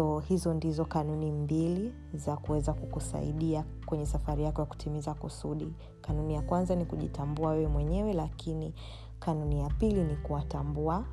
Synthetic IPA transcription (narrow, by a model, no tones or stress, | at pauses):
ɔhizɔndizɔkanunimbili | zakuwɛzakukusa̰ḭɗia | kwɛɲɛsafaɾijakɔjaku̥tʰimizakusuɗi | kanunijakwanzanikuʄḭtambuawɛwɛmwɛɲɛwɛlakini | kanunijapilinikuwatambua